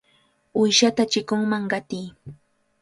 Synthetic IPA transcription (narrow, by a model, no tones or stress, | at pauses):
ʊjʃat̪at͡ʃɪkʊŋmaŋɢɑt̪iː